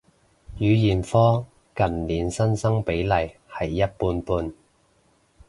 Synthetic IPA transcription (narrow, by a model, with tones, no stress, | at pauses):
jyː˨˧jiː˨˩nfɔː˥ | kɐ˨˩nliː˨˥nsɐ˥nsɐ˥ŋpe˨˥jlɐ˨jhɐ˨˩jːɐ˥t̚puː˧npuː˧n